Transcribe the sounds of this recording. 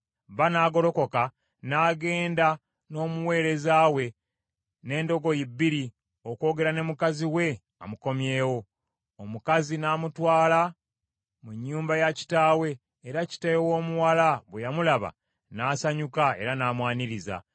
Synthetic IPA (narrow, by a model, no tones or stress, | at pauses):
βanaːɡo̞lo̞ko̞ka | naːɡe̞ːnda | no̞ːmuwe̞ːɾe̞zaːwe̞ | ne̞ːndo̞ɡo̞jibːiɾi | oko̞ɡe̞ɾane̞mukaziwe̞ | a̰muko̞mje̞ːwo̞ː | mukazinaːmutwaːla | muɲːuːmbajaci̥taːwe̞ː | ɾaci̥tajwo̞ːmuwalaβwejamulaβa̰ | naːsaɲukae̞̰ɾanaːmwaːniɾiza̰